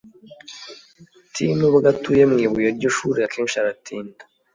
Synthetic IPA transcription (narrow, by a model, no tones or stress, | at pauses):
tʰimuβaɡatujemŋiːβujeɾɟoʃuɾiakʰeːnʃiaɾatʰiːndḁ